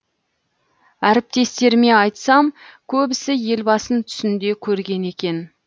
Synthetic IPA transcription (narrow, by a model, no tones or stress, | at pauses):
æɾɪp̚t̪e̞st̪e̞ɾme̞ɑjt̪sɑmkʲʰɵbɪsɪje̞lbɑsənt̪ʰʏ̥sɪnd̪e̞kʲʰɵɾɡʲe̞ne̞kʲe̞n